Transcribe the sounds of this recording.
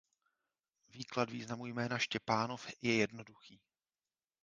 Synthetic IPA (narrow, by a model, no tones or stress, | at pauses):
viːkladviːznamujmɛːnaʃcɛpaːnofjɛjɛdnoduxiː